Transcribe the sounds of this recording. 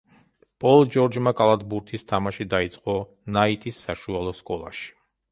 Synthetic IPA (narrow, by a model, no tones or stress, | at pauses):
pʼɔlˠd͡ʒɔɾd͡ʒmakʼalˠad̪buɾt̪ʰist̪ʰamaʃid̪ait̪sʼqʼɔ | nait̪ʼisːaʃualˠɔskʼɔlˠa̰ʃi̥